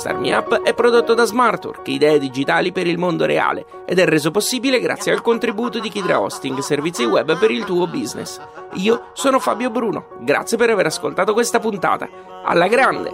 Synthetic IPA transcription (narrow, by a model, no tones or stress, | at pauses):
st̪a̰rmḭapːɛpːɾod̪ot̪ːod̪azmart̪o̰rkid̪ɛːed̪id͡ʒit̪aːlipeɾilmond̪oɾḛa̰ːlḛ | ed̪ɛrːeːzoposːiːbileɡɾa̰t̪sːjealkont̪ɾibuːt̪od̪ik̟id̪ɾa̰ɔ̰st̪iŋɡservit̪siwɛbːpeɾilt̪uːobiznḛs | iːo | sɔːnofa̰ːbjobɾuːno̰ | ɡɾa̰t̪sːjepeɾaveːɾaskolt̪aːt̪okwest̪apunt̪a̰ːt̪a̰ | a̰lːaɡɾand̪ḛ